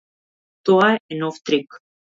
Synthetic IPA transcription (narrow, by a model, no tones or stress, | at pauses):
t̪ɔaɛɛnɔft̪ɾik